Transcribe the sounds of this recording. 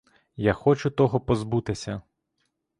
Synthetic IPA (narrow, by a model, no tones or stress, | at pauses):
jaxɔt͡ʃʊt̪ɔɦɔpɔzbut̪ɪsʲɐ